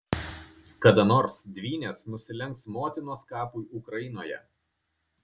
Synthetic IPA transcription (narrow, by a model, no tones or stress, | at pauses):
kɐd̪ɐnoːɾsd̪ʲʋʲiːnʲeːsnʊsʲɪlʲɛŋksmoːt̪ʲɪnoːskɑːpuɪʔʊkɾɐjɪnoːjɛ̰